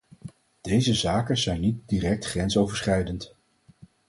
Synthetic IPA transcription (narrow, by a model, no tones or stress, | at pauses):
d̥ejzəzaːkənzɛjnit̚diːrɛk̚tχrɛnsowvəɹsχrɛjdənt